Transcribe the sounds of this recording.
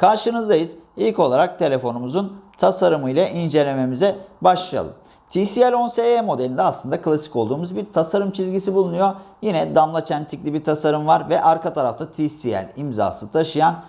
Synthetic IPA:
kʰaɾʃɯnɯzd̪ajɯz̥ilʲco̞lˠaɾak̚t̪ʰe̞lʲe̞fo̞numuzunt̪ʰasaɾɯmɯjlˠaʔind͡ʒe̞lʲe̞me̞mizɛbaʃlˠija̰lˠɯ̰m | t̪ʰisiælʲo̞nseemo̞d̪eind̪ɛaslˠɯnd̪akɯlˠasi̥ko̞lˠd̪uːmuzbiɾt̪ʰasaɾɯmt͡ʃʰizɟisibulˠunujo̞jinɛd̪amlˠat͡ʃʰænt̪ʰiklʲibiɾt̪ʰasaɾɯmvaɾvɛʔaɾkat̪ʰaɾaft̪ʰat̪ʰisiæ̰lʲimza̰ːsɯt̪ʰaʃɯjan

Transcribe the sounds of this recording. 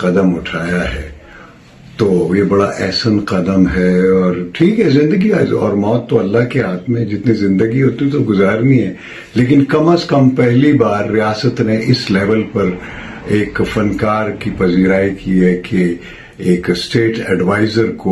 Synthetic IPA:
qɐd̪əmʊʈʰaːjaɦɛː | t̪oːjebɐɽaʔɛːsənqɐd̪əmɦɛɔːɾʈʰiːkɦɛzɪ̃nd̪əɡiaɔ̰ːɾmɔːt̪ːoɐlːaɦkeɦaːt̪ʰmẽd͡ʒɪt̪nizɪ̃nd̪əɡiɦoːt̪iĩt̪oɡʊzaːɾniɦɛː | leːkɪnkɐməskɐmpɛɦlibaːɾːijaːsət̪neʔɪslɛːʋəlpɐɾ | eːkfɐnkaːɾkipɐziːɾaːikiɦɛke | eːksʈeːʈɛɖʋaːɪzəɾko

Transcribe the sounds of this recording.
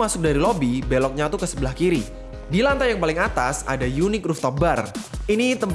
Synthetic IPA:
masʊk̚daɾilɔbibelɔk̚ɲat̪ukəsəbəlahkiɾi | dilant̪ajaŋpalɪŋat̪asa̰dajunɪkrʊft̪ɔbarinit̪əmp

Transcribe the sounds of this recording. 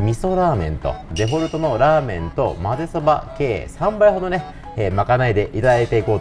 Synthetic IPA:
mʲiso̞ɾaːmẽ̞̰nt̪o̰d̪e̞bo̞ɾɯ̟t̪o̞no̞ɾaːmẽ̞nt̪o̞̰maze̞soba̰ke̞ːsãmbaiɦo̞d̪o̞ne̞ | makanaid̪e̞ʔit̪ad̪ait̪e̞iko̞ː

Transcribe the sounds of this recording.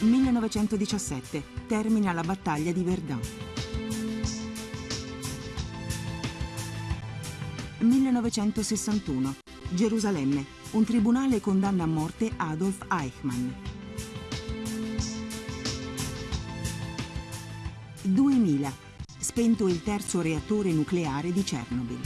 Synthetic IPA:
milːenɔvet͡ʃɛnt̪od̪it͡ʃasːɛt̪ːet̪ɛrminalabat̪ːaʎːad̪iverd̪an | milːenɔvet͡ʃɛnt̪osesːant̪uːno | d͡ʒeɾuzalɛmːe | unt̪ɾibunaːlekond̪anːaːmːɔrt̪eʔad̪olfajkman | d̪uːemiːla | spent̪oilt̪ɛrt̪soɾeat̪ːoːɾenukleaːɾed̪it͡ʃɛ̰rnobḭl

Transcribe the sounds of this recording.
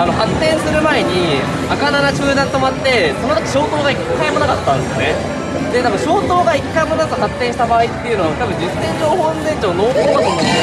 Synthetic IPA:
ano̞hat̪ːẽ̞ɰ̃sɨɾɯ̟mae̞ɲ̟i | akananat͡ɕɨːd̪ãnt̪o̞mat̪ːe̞sononaki̥ɕo̞ːt̪o̞ːɡaikːaimo̞nakat̪ːãnd̪esɨɨne | d̪e̞t̪abɯ̟ɕo̞ːt̪o̞ːɡaikːaimo̞nakahat̪ːẽ̞ɕi̥t̪abaːit̪ːe̞jɯ̟noat̪abɯ̟̃ɲd͡ʑɨsːẽ̞ɲd͡ʑo̞ːhõnd̪ẽ̞ɲd͡ʑoːno̞ːk̪oːat̪ono

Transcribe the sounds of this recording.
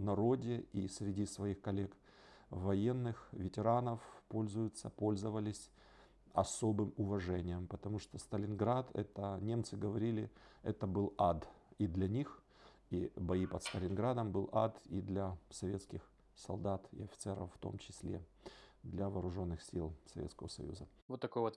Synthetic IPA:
nɐɾo̞dʲɪisʲɾʲɪdʲisvɐixkɐlʲe̞k | vɐje̞nːɨxvʲɪtʲɪɾanəfpo̞lʲzʊjʊt̪səpo̞lʲzəvəlʲɪsʲ | ɐsobɨmʊvɐʐɛnʲɪjəmpət̪ɐmuʂt̪ost̪əlʲɪnɡɾat̪ɛ̰t̪ənʲe̞mt̪sɨɡəvɐɾʲilʲɪɛt̪əbɨlˠad̪id̪lʲɐnʲix | ibɐipət̪st̪əlʲɪnɡɾad̪əmbɨlˠʔad̪id̪lʲɐsɐvʲe̞t̪skʲɪx | sɐlˠd̪at̪ɪ̰ɐfʲɪ̥t̪sɛɾə̰fːt̪o̞̰mt͡ɕɪsʲlʲḛ | d̪lʲɐvɐːɾʊʐo̞nːɨxsʲilˠsɐvʲet̪skəvəsɐ̰jṵzə | vot̪ːɐkojvot̪

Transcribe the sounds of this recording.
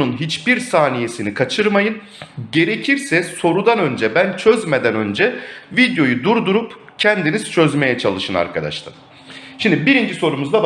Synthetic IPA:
unɦit͡ʃbiɾsaːnije̞sinikʰat͡ʃʰɯɾmajɯn | ɟe̞ɾe̞cʰiɾsɛso̞ɾud̪anø̞nd͡ʒɛbænt͡ʃʰøzme̞d̪ænø̞nd͡ʒɛvid̪jo̞jud̪uɾd̪uɾup | cʰɛnd̪iniz̥t͡ʃʰø̞zme̞jɛt͡ʃʰalˠɯʃɯna̰ɾkʰad̪a̰ʃlˠa̰ | ʃimd̪ibiɾind͡ʒiso̞ɾumuzd̪ab

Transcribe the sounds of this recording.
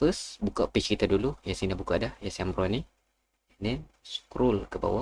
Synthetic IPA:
fəsbukaʔpit͡ʃkit̪adulujasinabukadajasiambɾani | ndɛn | skɾulkəba̰wa

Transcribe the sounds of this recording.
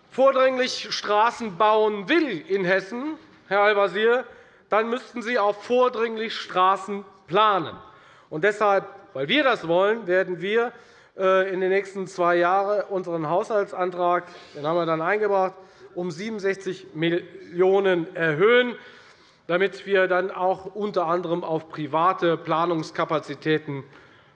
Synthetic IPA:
foːɐdʁɪŋlɪçʃtʁ̥aːsn̩baʊənvɪlɪnɦɛsn̩ | hɛɐalvaziːɐ | d̥anmʏstn̩ziːaʊffoːɐdʁɪŋlɪçʃtʁ̥aːsn̩pl̥aːnə̰n | ʔʊnt̚d̥ɛshalpvaɪlviːɐdasv̥ɔlənveːɐdn̩viːɐ | ʔɛːɪndeːnɛːçstn̩t͡sv̥aɪjaːʁəʔʊnzəʁənɦaʊshaltsʔantʁ̥aːkd̥eːnhaːmviːɐdanaɪnɡəbʁaχtʔʊmziːbm̩nzɛçt͡sɪçmɪljoːnənɛɐɦøːən | d̥amɪtv̥iːɐdanaʊxʔʊntɐʔandəʁəmaʊfpʁ̥ivaːtəpl̥aːnʊŋskʰapat͡sitʰɛːtn̩

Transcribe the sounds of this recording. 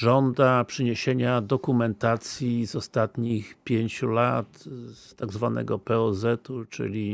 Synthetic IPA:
ʐɔnd̪apʂɛɲeɕeɲad̪ɔkumɛnt̪at̪sʲjizɔst̪at̪ɲixpʲjeɲt͡ɕulat̪st̪aɡzvanɛ̰ɡɔpɛɔzɛt̪ut͡ʂɘ̰lʲi

